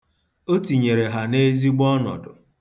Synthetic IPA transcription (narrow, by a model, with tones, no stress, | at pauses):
o˦ti˨ɲe˨ɾe˨ɦa˨ne˦zi˦ɡ͡bɔ˦nɔ̰˨dʊ̰˨